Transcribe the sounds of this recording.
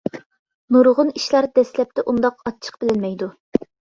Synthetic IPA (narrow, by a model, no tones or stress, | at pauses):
nuɾʁʊniʃlˠɑɾd̪ɛslɛp̚t̪ɛʔund̪ɑqɑt͡ʃʰːə̥qb̥ɪlɪnmɛjd̪u